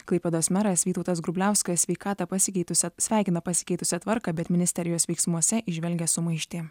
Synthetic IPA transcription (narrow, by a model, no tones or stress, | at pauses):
klˠɐɪpʲɛd̪oːsmʲɛɾɐsʋʲiːt̪ɔʊt̪ɐs̬ɡɾʊbʲlʲæˑʊsʲkɐsʲʋʲɛɪkɑːt̪ɑpɐsʲɪkʲɛɪt̪ʊsʲɛsʲʋʲæˑɪkʲɪnɐpɐsʲɪ̥kʲɛɪt̪ʊsʲɛt̪ʋɐɾkɑbʲɛt̪mʲɪnʲɪsʲt̪ʲɛɾʲɪjoːsʲʋʲɛɪksmuɔsʲɛʔɪʒʲʋʲɛlʲɡʲɛsʊmɐɪʃʲt̪ʲeː